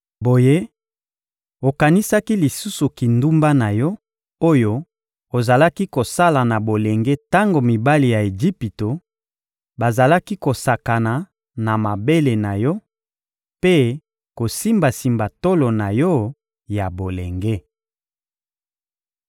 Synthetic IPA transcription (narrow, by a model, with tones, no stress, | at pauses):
bo˨je˦ | o˨ka˨ni˦sa˦ki˦li˨su˦su˨ki˨ndu˦mba˦na˨jɔ˦ | o˦jo˦ | o˨za˨la˦ki˦ko˨sa˦la˨na˨bo˨le˨ŋɡe˦ta˦ŋɡo˨mi˨ba˦li˨ja˨e˨ʒi˦pi˨to˨ | ba˨za˨la˦ki˦ko˨sa˨ka˨na˨ | na˨ma˨be˦le˨na˨jɔ˦ | pe˦ | ko˨si˦mba˨si˨mba˨to˦lo˨na˨jɔ˦ | ja˨bo˨le˨ŋɡe˦